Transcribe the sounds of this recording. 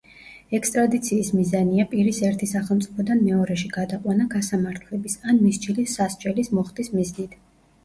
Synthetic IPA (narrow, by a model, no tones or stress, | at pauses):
ɛkst̪ʼɾad̪it̪sʰiːsmizaniapʼiɾisɛɾt̪ʰisaχɛlˠmt̪sʼipʰɔd̪anmɛɔɾɛʃiɡad̪aqʼwanaɡasamaɾt̪ʰlɛbisanmisd͡ʒilisːast͡ʃʼɛlismɔχt̪ʼismiznit̪ʰ